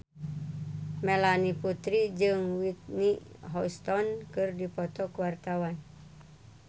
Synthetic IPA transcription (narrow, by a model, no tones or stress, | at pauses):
mɛlaniput̪ɾid͡ʒɨŋwit̪̚niɦɔst̪ɔnkɨrdipɔt̪ɔkəwart̪awan